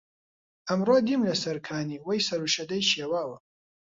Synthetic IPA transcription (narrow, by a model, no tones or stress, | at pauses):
ʔɐmroːd̪imlɐsɐɾkʰaːniːwɐjsɐɾuʃɐd̪ɐjʃeːwaːwɐ